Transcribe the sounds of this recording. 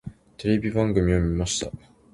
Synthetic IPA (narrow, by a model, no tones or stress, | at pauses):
t̪eɾʲe̞bʲibãŋɡɯ̟mʲiomʲimaɕi̥t̪a̰